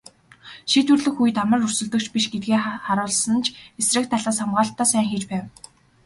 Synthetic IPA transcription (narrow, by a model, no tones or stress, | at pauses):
ʃiːt̪ŭrɮɘ̆xuj̆t̪amə̆rɵr̥sɵ̆ɮt̪ɵ̆k̚t͡ɕʰpiʃɡet̪̚ɡeːχaɾʊːɮsə̆nt͡ɕʰesrɘ̆k̚t̪ʰaɮaːsamɢaːɬt̪ːaːsæːŋxiːt͡ɕpæːw